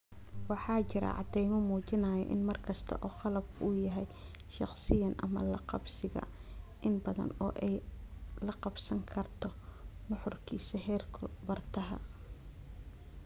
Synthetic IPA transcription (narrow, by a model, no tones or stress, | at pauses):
wɑħɑːt͡ʃɪɾɐ̰ʕɑ̰d̪ɛjmɔmuːt͡ʃɪnɐːjɔ̰ʔɪnmɐrkʰɐst̪ʰɐ̰ʔɔːχɑlɐbʔʊjɐɦɛj | ʃɑχsɪjɐnʔɐ̰mɐ̰lɐqɑbsɪɣɐ̰ʔɪnbɐðɐ̰nɔ̰ːʔɛjlɐqɑbsɐŋkʰɐrt̪ʰɔnʊħʊrkʰiːsɐɦɛːrkʰʊbɐrt̪ʰɐɦɐ̰